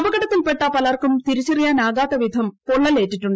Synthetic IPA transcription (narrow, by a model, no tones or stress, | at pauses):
ʋɐɡɐɽɐt̪ːilpeʈːɐpɐlɐrkumt̪iɾit͡ɕːɐrijaːnaːɡaːt̪ːɐʋid̪ʱɐmpoɭːɐleːʈːiʈːuɳɖɨ